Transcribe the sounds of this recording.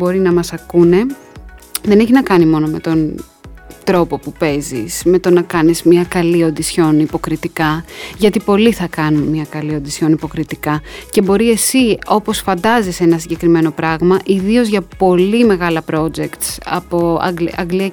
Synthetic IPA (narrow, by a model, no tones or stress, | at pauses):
bo̞ɾinɐmɐsɐkune̞ | ðe̞neçiznɐkɐnimo̞no̞me̞t̪o̞n | t̪ɾo̞po̞pupe̞zḭsme̞t̪o̞nɐkɐnizmɲɐkɐlio̞nd̪isço̞nipo̞kɾit̪ikɐʝɐt̪ipo̞liθɐkɐnunmɲɐkɐlio̞nd̪isço̞nipo̞kɾit̪ikɐce̞bo̞ɾie̞sio̞po̞sfɐnd̪ɐzise̞nɐsiɲɟe̞kɾime̞no̞pɾɐɣmɐʔiðio̞zʝɐpo̞lime̞ɣɐlɐpɾo̞d͡ʒekt̪sɐ̰po̞ɐ̰ɡɐ̰ŋɡliɐ